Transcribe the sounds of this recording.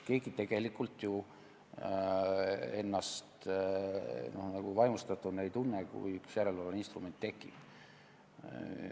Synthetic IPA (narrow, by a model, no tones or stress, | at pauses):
ke̞ːɡ̥it̪e̞ɡ̥e̞likːˑult̪ju | e̞nːɑst̪ | no̞hnɑɡ̥uvɑjmust̪ɑt̪ːˑud̪nejt̪unːekṵjyksjæɾe̞lvɑlɑninst̪rume̞nt̪ːe̞kːˑḭ